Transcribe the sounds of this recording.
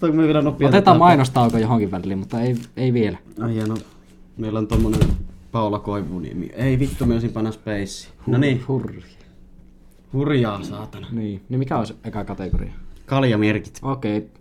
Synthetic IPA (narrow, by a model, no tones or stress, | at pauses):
t̪ɑkumiøʋielænopːˑioɑt̪et̪ɑːmɑˑinost̪ɑˑukojohoŋkiʋʋælˑːiːmmut̪ːɑeˑieˑiʋielæɑjɑno | meˑilːont̪omːonenpɑˑolɑkoˑiʋˑunḭḛmḭø̰eˑiʋit̪ːumioˑsimpɑnːɑspeˑisːˑi̥ːnonihurjɑ̥ | hurjɑːsɑːt̪ɑnɑniːnimikæoˑeseˑkækɑt̪eko̰rḭɑkɑljɑmerkit̪oˑkeˑi